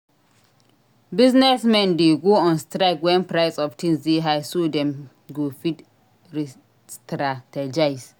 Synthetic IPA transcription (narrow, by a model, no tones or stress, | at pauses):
biznɛsmɛ̃ndeɡoɔ̃nstɾakwɛ̃npɹaɪsɔftʰĩnsdeɦajsodɛ̃m | ɡofit | ɹi | stɾatɛd͡ʒaɪs